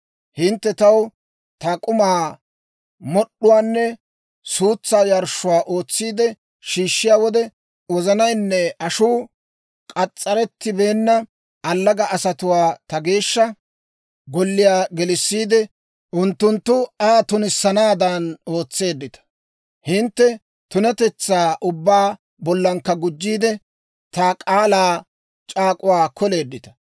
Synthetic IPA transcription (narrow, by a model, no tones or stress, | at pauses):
hɪnt̪ːɛt̪ɐw | t̪ɐkʼʊmaː | mɔɗːʊwaːnːɛ | suːt͡sːaːjɐɾʃːʊwaːʔo̞ːt͡sːiːd̪ɛ | ʃiːʃːɪjaːwɔd̪ɛ | wɔzɐnɐjnːɛɐʃuː | kʼɐt͡sʼːɐɾɛt̪ːɪbe̞ːnːɐ | ɐlːɐɡɐʔɐsɐt̪ʊwaːt̪ɐɡe̞ːʃːɐ | ɡɔlːɪjaːɡɛlɪsːiːd̪ɛ | ʔʊnt̪ːʊnt̪ːʊaːt̪ʊnɪsːɐnaːd̪ano̞ːt͡sːe̞ːd̪ːɪt̪ɐ̥ | hɪnt̪ːɛ | t̪ʊnɛt̪ɛt͡sːaːʔʊbːaː | bɔlːɐŋkːɐɡʊd͡ʒːiːd̪ɛ | t̪akʼaːlaː | t͡ʃʼaːkʼʊwaːkɔle̞ːd̪ːɪt̪ɐ̥